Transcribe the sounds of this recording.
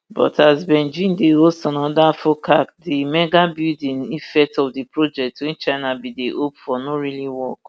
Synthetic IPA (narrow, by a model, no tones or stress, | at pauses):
bɔ̰tʰazbɛnd͡ʒĩndeostɔ̃nɔdafokak̚dimɛɡabidĩnifɛk̚tɔfdipɹod͡ʒɛk̚twĩnt͡ʃaɪnabideʔopfɔnoɾiliwɔk